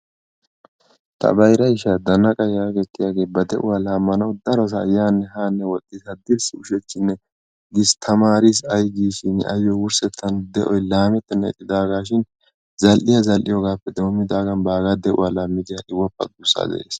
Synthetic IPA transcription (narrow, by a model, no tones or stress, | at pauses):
t̪ʰɐ̰bɐjɾɐɪʃad̪ɐnːɐkʼɐjaːɡɛt̪ːɪjaːɡe̞ːbɐd̪ɛʔʊwaːlaːmːɐnɐwd̪ɐɾɔs̬ɐːjaːnːɛɦaːnːɛwɔt̪ʼːɪsɐd̪ɪɾsʊʃɛt͡ʃːɪnːɛ | ɡɪst̪ʰɐmaːɾis̬ɐjɡiːʃɪnʔɐ̰jːɔwʊɾsɛt̪ʰːɐnd̪ɛʔɔjlaːmɛt̪ːɛnːɛɪ̰t̪ʼːɪd̪aːɡaːʃ̬ɪn | zɐlʔɪjɐzɐlʔɪjɔɡaːpːɛd̪omːɪd̪aːɡɐnbaːɡad̪ɛʔʊ̰waːlaːmːɪd̪ɪjaʔɪwːɐpːɐ̰d̪uːsːa̰d̪ɛ̰ʔḛːs